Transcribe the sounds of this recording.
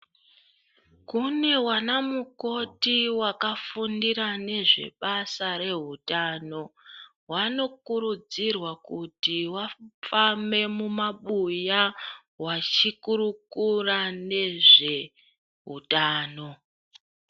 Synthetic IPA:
kune̞wanamuko̞tiwakafundiɾane̞ʐe̞̰ɓasare̞ɦutaːno̞ | wano̞kuɾud͡zirwakutiwafame̞mumaɓuja | wat͡ʃikuɾukurane̞ʐe̞ | ɦṵtaːno̞

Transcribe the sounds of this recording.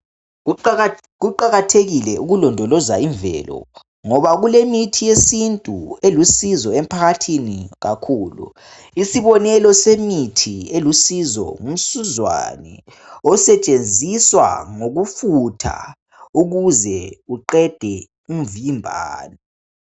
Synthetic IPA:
ɣuǃaɣatʰeɣilɛʔuɣulɔndʱɔlɔzaiɱvɛ̰ːlɔ̰ | ŋɔβaɣulemitʰijesintʼṵelusizɔem̩pʰaɣatʰiniɣa̰kʰuːlṵ | isiβɔnɛlɔsemitʰielusizɔ̰ŋum̩suzwa̰nɛ̰ | ɔsɛt͡ʃʼend͡zʱiswa̰ŋoɣufutʰa̰ | uɣuzɛuǃɛd̥ʱɛ | um̩vimbʱa̰ːnɔ

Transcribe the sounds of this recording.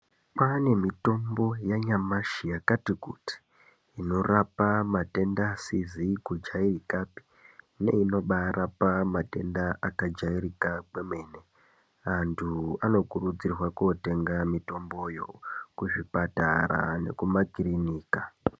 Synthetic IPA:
pane̞mito̞mbo̞jaɲamaʃijakatikuti̥ː | no̞rapamate̞ndasizikud͡ʒairikapi̥ | ne̞̰ino̞ɓarʔapamate̞ndaʔakad͡ʒaiɾikakwe̞me̞ːne̞ | antʰuano̞kurud͡zirwakote̞ŋɡamito̞mbo̞jo̞̰kuʐipata̰ra̰ne̞̰kumakiɾiniːka

